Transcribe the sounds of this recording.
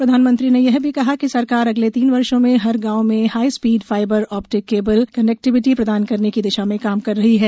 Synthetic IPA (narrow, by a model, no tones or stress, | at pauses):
pɾɐd̪ʱaːnmə̃nt̪ɾinejɛɦbʱikɐɦakisɐɾkaːɾɐɡlet̪iːnʋɐɾʃõmẽɦɐɾɡaːomẽhaːispiːɖfaːɪbəɾɔːpʈɪkːeːbəlkɐnɛk̚ʈɪʋɪʈipɾɐd̪aːnkɐɾnekid̪ɪʃamẽkaːmkɐɾːɐɦiɦɛː